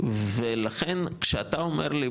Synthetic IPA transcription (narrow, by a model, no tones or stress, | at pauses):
velaχenkʃeat̪aomeʁli